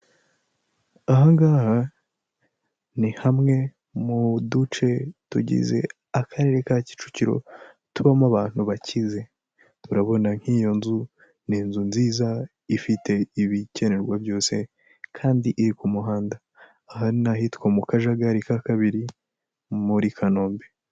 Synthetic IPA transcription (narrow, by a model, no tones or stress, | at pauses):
aɦaŋɡaːha | nihamŋe̞ | mudut͡ʃe̞tṵɟḭze̞̰ | akʰaɾe̞ɾe̞kaci̥t͡ʃu̥ciɾo̞̰ | tuβamaβaːn̥huβacʰize̞ | uɾaβo̞naŋ̥hiːjo̞nzu | niːnzunziːza | ifite̞iβice̞ne̞ɾɡwabjo̞ːse̞ | kʰaːndiʔiɾikumuɦaːndaː | haɾinaɦitkwomukaʒaɡaɾikakaβiɾi | muɾikʰano̞ːmbe